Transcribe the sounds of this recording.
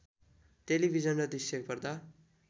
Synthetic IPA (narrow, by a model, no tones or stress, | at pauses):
telibʱid͡zʌnrʌd̪iseɡpʌrd̪a